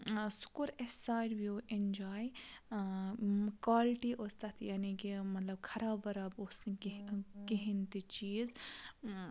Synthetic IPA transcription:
sʊ̥kuɾesaːɾʋioːʔend͡ʒaːj | kwaːlʈiʔost̪ɐt̪ʰjaːnikimɐt̪lɐb̚kʰɐɾaːʋɐɾɐbosnikeɦint̪it͡ʃiːz

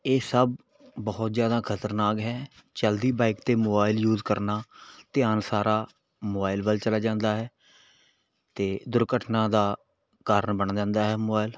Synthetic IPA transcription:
eːsəb̚ | bəːɔt̪zjaːd̪aːkʰət̪əɾnaːkɦɛːt͡ʃəld̪iːbaːɪkt̪eːmoːbaːɪljuːzkəɾnaːt̪ɪaːnsaːɾʔaː | moːbaːɪlbəlt͡ʃəlaːd͡ʒãːnd̪aːɦɛː | t̪eːd̪ʊɾkəʈʰnãːd̪aː | kaːɾənbəñd͡ʒãːnd̪aːɦɛːmoːbaːɪl

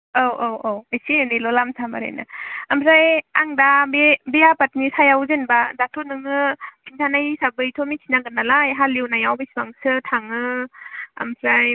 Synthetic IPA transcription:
awowowajsinilɔlamsʰamaɾa̰jna̰ampʰɾajaŋdabebejapat̚nisʰajawzenbadatʰonɯŋɯkʰintʰanajsabɯjtʰomikʰinaŋɡɯnalajɦaliwnajawbesbaŋsɯtʰaŋɯ | a̰mpʰɾaj

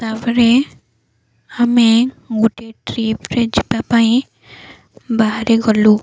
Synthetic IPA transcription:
t̪abɾe | amẽ | ɡuʈeʈɾipʰɾed͡ʒipapaĩ | baɦaɾeɡɔlu

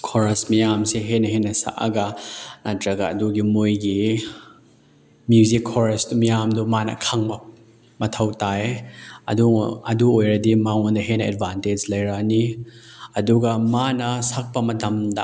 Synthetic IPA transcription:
kʰɔɾɐsmijamseɦenɐhenːɐsa̰ʔɐ̰ɡanatɾɐɡaːduɡimojɡi | mjuzikʰːɔɾestumijamdɔmanɐ̰kʰɐŋbɐ | mɐt̪ʰɐwtaeɐ̰d̪uŋɐ̰duojɾɐdimaŋondɐɦenɐḛdbanted͡ʒlɐjɾani | ɐduɡɐmanɐsak̚pɐmɐtɐmda

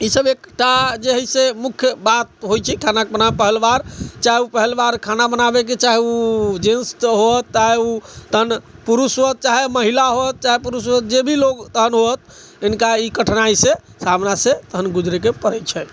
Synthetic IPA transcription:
isəbekʈad͡ʒeɦisemukʰjəbat̪̚ɦojt͡ʃʰɛkʰanakebənapəɦəlbaɾt͡ʃaɦeupəɦelbaɾkʰanabənabek̬et͡ʃaɦeud͡ʒẽnst̪ɦot̪ːaɦeut̪əɦənpuɾusoət̪̚t͡ʃaɦeməɦilaɦot̪̚t͡ʃaɦepuɾusot̪̚d͡ʒebʱilokt̪əɦənɦot̪̚ | ɪnkaikəʈʰnaise | samnaset̪əɦənɡud͡ʒɾekepəɾɛt͡ʃʰɛ

